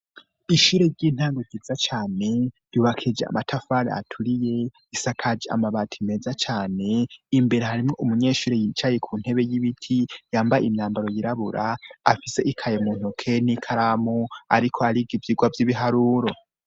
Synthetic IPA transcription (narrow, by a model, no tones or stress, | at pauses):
iʃuːɾe̞ɾɟiːn̥haːŋɡoɡizat͡ʃaːne̞ɾ̥uβakʰid͡ʒea̰matʰafaɾḛa̰tʰuɾije̞ | isakʰad͡ʒia̰maβatʰime̞ːzat͡ʃaːne̞imbe̞ɾe̞haɾimŋo̞ʔumuɲe̞ːʃuːɾejit͡ʃaje̞kʰuːn̥he̞βe̞jiβitʰijaːmbajimɲaːmbaɾo̞jiɾaβuɾaːfise̞ʔikʰajemuːn̥okʰe̞nikʰaɾamua̰ɾikʰoaɾiɡivjiɡwavjiβiɦaɾuːɾo̞